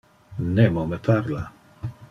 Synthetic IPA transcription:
nemomepʰaɾla

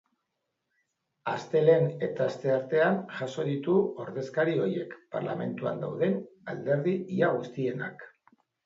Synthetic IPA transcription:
ast̪e̞le̞ne̞t̪aːst̪e̞aɾt̪e̞anʝaso̞ðit̪uo̞ɾðe̞skaɾio̞je̞kpa̰ɾla̰me̞̰nt̪ua̰nd̪a̰wðe̞nald̪e̞ɾðiiaɣ̞ust̪ie̞nak

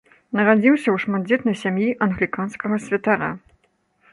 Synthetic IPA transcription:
nɐɾad͡zʲiwsʲɐwʂmad̪̚d͡zʲɛt̪nɐjsʲamjiʔɐnɣlʲikanskɐɣɐsʲvʲɐt̪aɾa̰

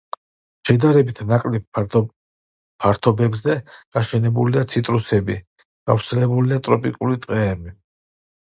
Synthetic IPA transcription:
ʃɛd̪aɾɛbit̪ʰnakʼlɛb̚ | pʰaɾt̪ʰɔbɛbzɛɡ̥aʃɛnɛbuliat̪sʰit̪ʼɾusɛbi | ɡ̥a̰vɾt̪sʰɛlɛbuliat̪ʼɾɔpʼikʼulit̪ʼqʼɛːbi

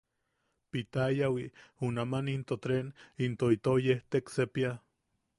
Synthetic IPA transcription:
pit̪ajawiunamanint̪ot̪ɾenint̪oit̪ojeht̪eksepia

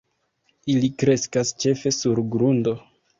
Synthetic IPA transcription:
ilikɾe̞skast͡ʃe̞fe̞suɾɡɾundo̞

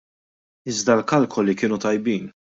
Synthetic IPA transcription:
ɪzd̪ɐlkɐlkʰɔlikɪːnut̪ɐjbiːn

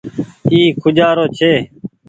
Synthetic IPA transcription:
iːkʰʊd͡ʒaːɾoːt͡ʃʰeː

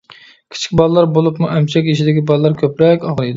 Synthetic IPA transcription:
kʲʰi̥t͡ʃʰi̥kʲbɑlˠɨlˠɑɾbolˠupmuʔɛmt͡ʃʰɛkʲiʃid̪ɪkʲibɑlˠɨlːˠɑɾkʲʰøpɾɛkʲɑʁlˠid̪

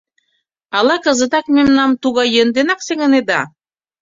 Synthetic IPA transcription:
ɑlɑkəzə̆t̪ɑkmemnɑmt̪uɣɑjːənd̪enɑkseɣə̆ned̪ɑ

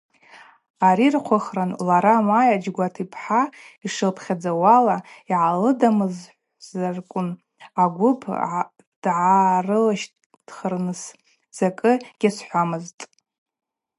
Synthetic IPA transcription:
aɾirqʷʰaχranlaɾamajad͡ʒɡʷatʰipʰħaiʂɨlpʰχʲad͡zawalaiʕalɨdamɨzħʷ | zarkʷʼʊn | aɡʷʊpʰ | d̥ʕarɨlaʃ | d̥χərnɨs | z̥akʼɨɡ̥ʲasħʷamɨztʼ

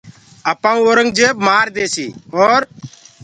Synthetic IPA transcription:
əpãːũːoːɾəŋɡd͡ʒeːbmaːɾd̪eːsiːoːɾ

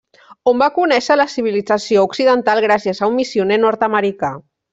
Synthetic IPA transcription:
ombakunɛʃələsiβ̞ilid͡zəsiouksiðənt̪alˠɣɾasiəzaumːisiunenɔɾt̪əməɾika

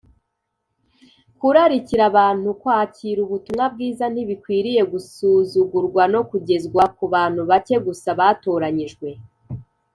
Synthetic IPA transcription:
kuɾaɾiciɾaβaːn̥hukwaːciːɾuβutumŋab̚ɡiːzan̥iβikwiːɾije̞ɡusuzuɡuɾɡwano̞kuɟe̞zɡwakuβaːn̥huβace̞ɡusaβatoːɾaɲiʒɡwe̞

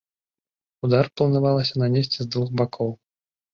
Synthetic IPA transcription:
ud̪arplˠɐnavalˠɐsʲɐnamʲesʲt͡sʲɛzd̪vuxbakʰɔw

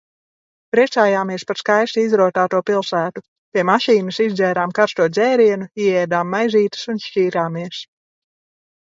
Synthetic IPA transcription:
pɾiɛt̪saːjaːmiɛspaɾskajst̪iizɾuɔt̪aːt̪uɔpilˠsæːt̪u | pʲiɛmaʃiːnɨsizd̪zʲɛːɾaːmkaɾst̪uɔd̪zɛːɾiɛnuiɛɛːd̪aːmːajziːt̪ɨ̥sunʃciːɾaːmiɛs

